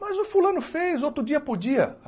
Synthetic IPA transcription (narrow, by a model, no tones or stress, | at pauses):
mɐzʊfulɐ̃nʊfejzowt̪ɾʊd͡ʒiɐpod͡ʒiɐ